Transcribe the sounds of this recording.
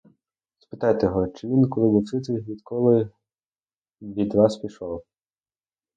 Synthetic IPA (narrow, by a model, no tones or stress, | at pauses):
spɪ̥t̪ɑjt̪eɦɔt͡ʃɪʋʲinkɔlˠɪbʊsɪt̪ɪʋʲid̪kɔlˠɪ | bʲid̪ʋɑspʲiʃɔw